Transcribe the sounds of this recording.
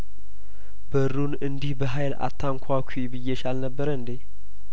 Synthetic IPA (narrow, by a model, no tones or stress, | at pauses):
bəɾunɨnd̪ihbəɦajla̰t̪ʰːaŋkʷʰakʷʰibɨjːɛʃalnəbːəɾənd̪e